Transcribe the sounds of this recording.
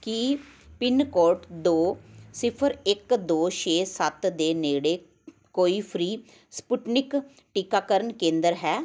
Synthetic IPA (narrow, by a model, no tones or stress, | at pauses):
ki | pɪnkoːɾʈd̪oːsɪpʰəɾɪkd̪oːʃeːsət̪d̪eːneːɽeː | koːiːpʰɾiː | spuʈnɪk | ʈiːkaːkəɾənkẽːnd̪əɾɦɛː